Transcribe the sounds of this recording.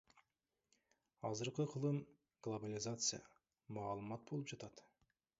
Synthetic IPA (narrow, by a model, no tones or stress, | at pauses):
ɑzəɾqəqʰəlˠɯn | ɡ̥lˠobalʲɪzat̪sɨja̰ | mɑːlˠəmɑt̪̚bo̞lˠɯpd͡ʒɑt̪ɑt̪